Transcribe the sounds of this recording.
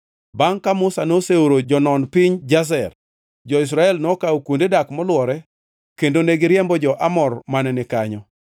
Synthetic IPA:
baŋkamʊsanoseuɾod͡ʒɔnɔnpɪɲd͡ʒas̬ɛr | d͡ʒɔɪs̬ɾaɛlnɔkaokwondedakmɔlwɔɾɛ | kendoneɡɪɾjɛmbɔd͡ʒɔʔamɔrmanɛnɪkaɲɔ

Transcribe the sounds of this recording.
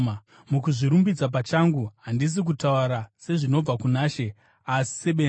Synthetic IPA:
mukuʐiɾumbid͡zap̬at͡ʃaŋɡuɦandis̬ik̬utauɾase̞ʐino̞b͡vakunaːʃe̞ | asi̥seɓe

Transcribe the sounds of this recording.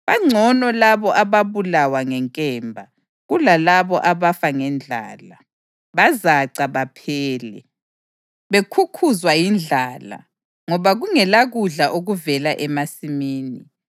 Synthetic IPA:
βaŋ͡ǀʱɔnɔlaβɔʔaβaβulawaŋɛŋkʼɛːmbʱa | ɣulalaβɔʔaβafaŋɛnd͡ɮʱa̰ːla | βazaǀaβapʰɛːlɛ | βekʰukʰuzwajind͡ɮʱaːla̰ | ŋɔβaɣuŋɛlaɣuɮaʔoɣuvɛlaʔɛmasimiːni

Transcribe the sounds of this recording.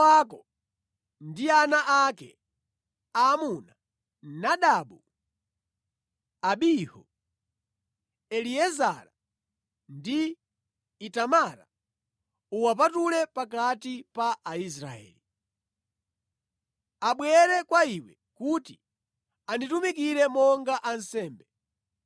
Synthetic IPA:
akɔ | ndianaʔakɛ̰ | aːmuna | naɗaɓu | aɓihɔ̰ | ɛliɛzaɾa | ndiː | tamaɾa̰ | uwap̬atulɛpak̬atipaʔais̬ɾa̰ɛ̰ːli | aɓwɛɾɛkwaiwɛ | kutḭ | anditumik̬iɾɛmɔŋɡaʔansɛːmbɛ

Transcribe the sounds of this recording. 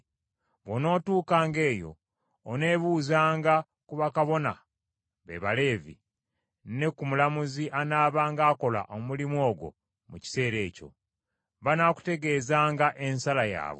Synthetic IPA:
βo̞no̞ːtuːkaːŋɡe̞ːjo̞̰ː | ne̞ːβuːzaːŋɡa | kuβakaβo̞na̰ | βḛβale̞ːvḭ | ne̞kumulamuziʔanaːβaːŋɡaːko̞la̰ʔomulimo̞ːɡwo̞̰ | muci̥se̞ːɾe̞ːco̞̰ | βanaku̥te̞ɡe̞ːzaːŋɡaʔe̞nsalaja̰ːβo̰

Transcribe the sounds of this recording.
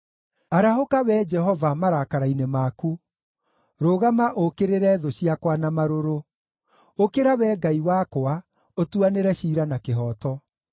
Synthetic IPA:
aɾahokawɛd͡ʒɛɦɔvamaɾakaɾainemaku | ɾoɣamaʔokeɾeɾɛðoɕiakwanamaɾoɾo | okeɾawɛːɡaiwakwa | otuaneɾɛɕiɾanakeɦɔːtɔ

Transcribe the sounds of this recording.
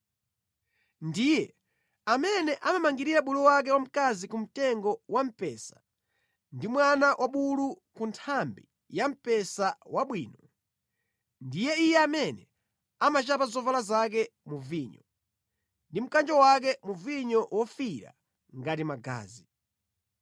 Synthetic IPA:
ndijɛ | amɛnɛʔamamaŋɡiɾiɾaɓuluwak̬ɛwam̩kazikum̩tɛŋɡɔwam̩pɛsḁ | ndimwanawʔaɓulu | kuntʰambi | jam̩pɛsawaɓwiːnɔ | ndijɛijɛamɛnɛ | amat͡ʃapazɔvalazak̬ɛmuviːɲɔ | ndim̩kand͡ʒɔwak̬ɛmuviɲɔʔwɔfiɾa̰ | ŋɡatimaɡa̰ːzi

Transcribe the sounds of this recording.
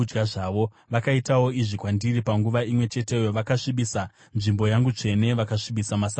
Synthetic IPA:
ɡaʐaːʋo̞ | ʋakaitawo̞iʐikwandiripaŋɡuʋaimwe̞t͡ʃe̞te̞joʋakaʂiɓisa | nʐimbo̞jaŋɡut͡ʂe̞ne̞ʋakaʂiɓisamasa

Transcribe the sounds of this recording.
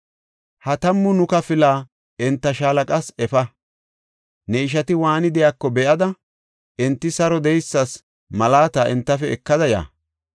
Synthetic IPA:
hɐt̪ɐmːʊnʊkɐfɪlaː | ɛnt̪ːɐʃaːlɐkʼɐsɛfɐ | nɛɪʃ̬ɐt̪ɪwaːnɪd̪ɛjaːkːɔbɛʔɐd̪ɐ | ʔɛnt̪ːɪsɐɾɔd̪ɛjsːɐs | mɐlaːt̪aːʔɛnt̪ːɐfɛɛkːɐd̪ɐja̰ː

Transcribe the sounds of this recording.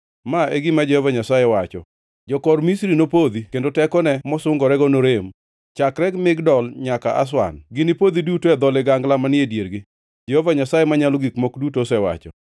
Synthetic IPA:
maeɡɪmad͡ʒɛhovaɲasajewat͡ʃɔ̰ | d͡ʒɔkɔɾmisɾinopod̪ikendotɛkɔnɛmɔsʊŋɡɔɾɛɡɔnoɾem | t͡ʃakɾɛɡmɪɡdɔlɲaka̰ʔa̰s̬wa̰nɡɪnɪpod̪idutoɛd̪ɔlɛɡaŋɡlamanɪedjeɾɡɪ | d͡ʒehovaɲasajemaɲalɔɡikmokdutosɛwa̰t͡ʃɔ̰

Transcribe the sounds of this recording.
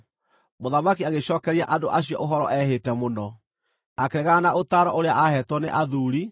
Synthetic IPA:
moðamakiaɣeɕɔːkɛɾiaʔadoʔaɕiɔ̰ʔoɦɔɾɔʔɛhetɛmonɔ | akeɾɛɣanaʔotaɾɔʔoɾeaʔahɛtwɔneʔaðuɾi

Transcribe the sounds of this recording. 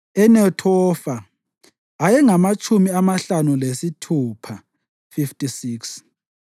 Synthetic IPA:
ɛnɛtʰɔfaː | jɛŋamat͡ʃʼumiamaɬanulesitʰuːpʰa | fiftʼisiːks

